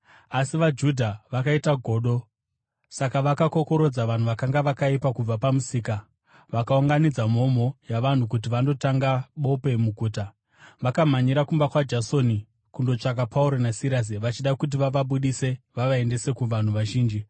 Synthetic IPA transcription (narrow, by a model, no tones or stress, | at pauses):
asiʋad͡ʒudʱaʋakaitaɡʱo̞ːɗo̞ | sakaʋakako̞ko̞ɾo̞d͡zaʋan̤uʋakaŋɡaʋakaipakub͡vapamusiːka | ʋakauŋɡanid͡zamo̞m̤o̞jaʋan̤ukut̬iʋando̞taŋɡaɓo̞pe̞muɡʱuːta | ʋakam̤aɲiɾakumbakwad͡ʒaso̞ni | kundo̞t͡ʂak̬apʰauɾonasiɾas̬iʋat͡ʃiɗakut̬iʋaʋaɓuɗise̞ʋaʋaende̞se̞kuʋan̤uʋaʒiːnd͡ʒi